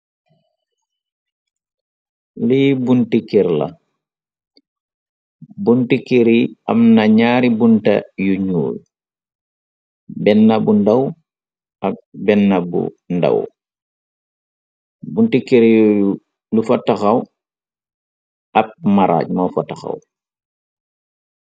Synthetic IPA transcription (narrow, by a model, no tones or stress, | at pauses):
libuntikeɾla̰ | buntikeɾiɐ̰mnaɲaːɾibuntɐ̰juɲṵːl | bɛnːɐbundɐw | ʔak̚bɛnːɐbṵ | ndɐ̰w | buntikeɾjju | lufataxaw | ap̚maɾa̰ːc̚mawfataxa̰w